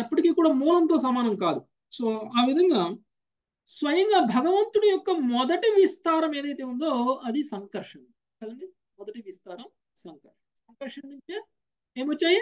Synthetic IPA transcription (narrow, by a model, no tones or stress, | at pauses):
ɐpːɐʈikiːkuːɽaːmuːlɐnt̪o̞ːs̬ɐmaːnɐmkaːd̪u | so̞ːaːʋid̪ʱɐŋɡaː | sʋɐjɐŋɡaːbʱɐɡɐʋɐnt̪uɽijɔkːɐmɔd̪ɐʈiʋist̪aːɾɐme̞ːd̪ɐjt̪e̞ːund̪oːɐd̪isɐŋkɐɾʂɐn | kɐːd̪ɐɳɖi | mɔd̪ɐʈiʋist̪aːɾɐm | sɐŋkɐɾʂɐmsɐŋkɐɾʂɐnnuɲt͡ʃe | eːmʋot͡ʃːaːji